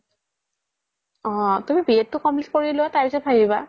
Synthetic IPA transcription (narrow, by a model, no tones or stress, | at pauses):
ɔ̃tumibietːʊkɔmplitkoɹiloataɹpisɔt̚pʰajiba